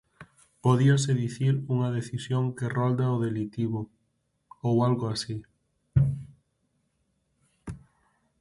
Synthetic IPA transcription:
poðiɐseðiθiɾuŋɐðeθisjoŋkerɔld̪aoðelit̪iβʊ | owalɣoasi

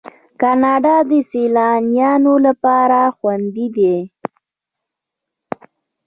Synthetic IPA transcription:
kɑnɑɖɑd̪əselɑnijɑnolapɑɾaxwand̪id̪e

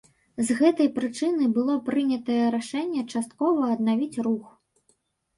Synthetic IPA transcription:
zɣɛt̪ɐjpɾɨt͡ʂɨnɨbɨlˠɔpɾɨnʲɐt̪ɐjɛɾaʂɛnʲːɛt͡ʂast̪̚kɔvɐːd̪̚navʲit͡sʲrux

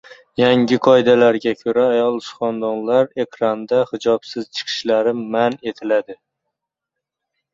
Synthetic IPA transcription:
jaŋɡʲɪqʰɒɪd̪alaɾɡʲakʲʰɵɾaːjɒlˠsχɒnd̪ɒnlaɾe̞kʲʰɾand̪ahɪd͡ʒɒpsɪz̥t͡ʃʰɨ̥qʰɨ̥ʃlaɾɪmane̞t̪ʰɪlad̪ɪ

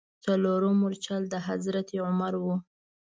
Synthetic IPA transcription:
t͡saloɾomʊɾt͡ʃald̪əɦazɾat̪iʕʊmaɾwu

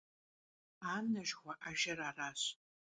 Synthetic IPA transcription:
aːmnɐʒʁʷaʔaʒɐraːraːɕ

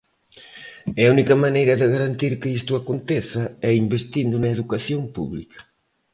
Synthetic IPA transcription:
ɛɐunikɐmanejɾɐðɪɣaɾɐnt̪iɾkɪist̪uakont̪eθɐɛimbest̪ind̪ʊnɐeðukaθjompṵβlikɐ̥

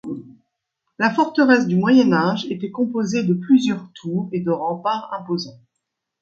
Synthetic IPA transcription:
lafɔʁt̪əʁɛs̬d̪ymwajɛnaʒet̪ɛkɔ̃pozed̪əplyzjœʁt̪ʰuːʁed̪əʁɑ̃paʁɛ̃pozɑ̃

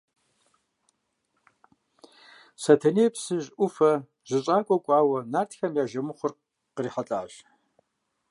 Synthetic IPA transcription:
sɐtʰɐneːpsɨʑʔʷʊfɐ | ʑ̥ɪɕʼaːkʷʼɔkʷʼɑːwɐnaːtxɐmjaːʒɐmɨχʷʊr | qəriːħat͡ɬʼaːɕ

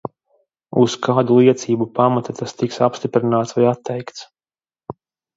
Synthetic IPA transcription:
uskʰaːd̪ulˠiɛt̪siːbupamat̪at̪ʰast̪iksapst̪ipɾinaːt̪svajat̪ːɛjkt̪s

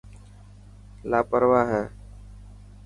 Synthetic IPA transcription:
laːpəɾʋaːɦɛ̃ː

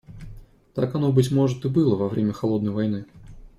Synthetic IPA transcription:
t̪akɐnobɨtʲmoʐɨt̪ɨbɨlˠəvɐvɾʲʔemʲəxɐlˠo̞d̪nəjvɐjnɨ

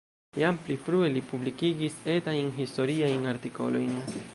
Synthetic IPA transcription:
jamplipɾuelipublikiɡised̪ajnɦisto̞ɾiajnaɾt̪iko̞̰lo̰jn

